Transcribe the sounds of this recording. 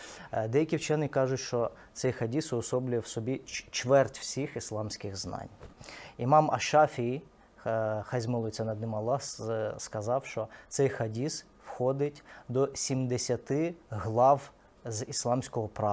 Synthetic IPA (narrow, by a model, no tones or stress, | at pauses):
d̪ɛjɐkʲiwt͡ʃɛnɪkɑʒʊtʲʃt͡ʃɔ | t̪sɛjxɐdʲisʊɔsɔblʲʊjɛwsɔbʲit͡ʃʋɛrtʲwsʲixislˠɑmsʲkɪɣznɑ̰nʲimɑmɐ̰ʃɑfʲiji | xɐzʲmɪlˠɔt͡sʲɛnɐd̪nɪmɐlˠɑsskɐzɑwʃt͡ʃɔt̪sɛjxɐdʲis | wxɔd̪ɪtʲd̪ɔsʲimd̪esʲɐt̪ɪɦlˠɑw | zislˠɑmsʲkɔɦɔpɾɑ